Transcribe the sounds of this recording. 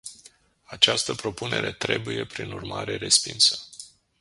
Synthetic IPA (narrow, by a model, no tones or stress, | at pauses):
at͡ʃast̪əpɾo̞pune̞̰ɾe̞t̪ɾe̞buje̞pɾinurmaɾe̞ɾe̞spinsə̥